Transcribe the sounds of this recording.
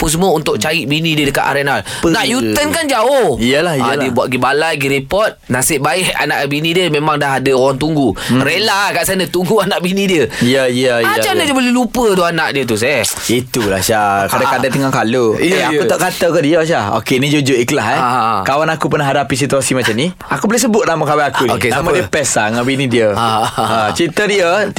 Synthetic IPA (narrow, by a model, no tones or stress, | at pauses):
puns̬əmũəunt̪ʊʔ̚t͡ʃaiʔ̪̚binĩdiədəka̰t̪a̰ɾenal | pənaʔjut̪ənkand͡ʒaʊhijəlahiiəbuat̪̚ɡibalajɡiɾipɔt̪̚nãsɪʔbaɪʔa̰naʔbinĩdiəmẽmãŋdaɦadəowaŋt̪uŋɡuɾelakaʔsanat̪uŋɡuanaʔbinĩdiəijaijəid͡ʒanadiəbəlulupət̪uanaʔdiət̪̬usɛh | it̪ulahʃakadaadant̪əŋakaloeaut̪aʔkat̪akədiaʃaho̰kenid͡ʒud͡ʒʊʔikəlaɦɛkawanakupərnaɦadapis̬it̪uasimat͡ʃamni | akubolesəbʊt̪̚namakawaakunkenamadiəpɛsaŋabinĩdiəaat͡ʃit̪ədiə